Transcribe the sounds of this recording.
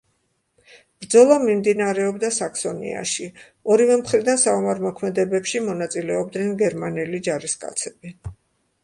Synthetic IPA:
b̥ɾd̪zɔlˠamimd̪inaɾɛɔbd̪asaksɔnḭa̰ʃi | ɔɾivɛmχɾid̪ansaɔmaɾmɔkʰmɛd̪ɛbɛpʃimɔnat̪sʼilɛɔbd̪nɛnɡɛɾmanɛlid͡ʒaɾiskʼa̰t̪sʰɛbi

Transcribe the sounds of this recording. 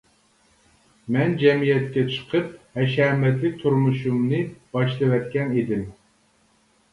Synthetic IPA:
mɛnd͡ʒɛmijɛt̪kʲɛt͡ʃʰə̥qʰəp̚hɛʃɛmɛt̪lɪkʲt̪ʰuɾmuʃumnɨb̥ɑʃlˠɨwɛt̪̚kʲɛned̪ɪm

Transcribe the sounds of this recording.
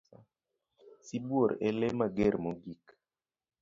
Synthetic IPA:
sibwoɾɛlemaɡɛɾmoɡik

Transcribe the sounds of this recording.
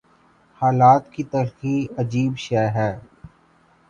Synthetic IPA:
haːlaːt̪kit̪ɐɾxiɐd͡ʒiːbʃɛːɦɛː

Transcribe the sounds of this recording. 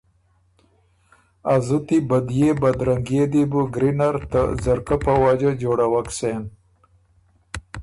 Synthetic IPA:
azut̪ibɐd̪jebɐd̪ɾɐŋɡed̪ibuɡɾinaɾt̪a̰zɐɾkapawad͡ʒad͡ʒoːɽawaksen

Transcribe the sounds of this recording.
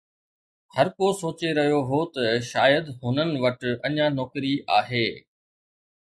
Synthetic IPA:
hɐɾkosoːt͡ɕeɾɐɦijoɦot̪ɐʃaːjəd̪ɦʊnənɪ̆ʋɐʈɐɲãnɔːkɾiʔa̰ːɦeː

